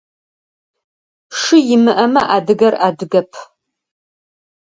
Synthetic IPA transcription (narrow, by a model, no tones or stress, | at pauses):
ʂɨjɪmɨʔɐmɐʔaːdɨɡɐraːdɨɡɐpʰ